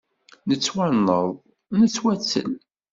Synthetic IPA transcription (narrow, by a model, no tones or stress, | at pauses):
nət͡sːwanːəðˤ | nət͡sːwæt͡sːə̰l